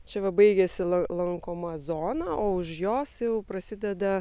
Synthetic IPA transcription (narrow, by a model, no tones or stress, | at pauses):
t͡ʃʲɛʋɐbɐɪɡʲɛsʲɪlˠɐlˠɐŋkoːmɐzoːnɐːʔoːʊʃjoːsjɛʊpɾɐsʲɪd̪ʲɛd̪ɐ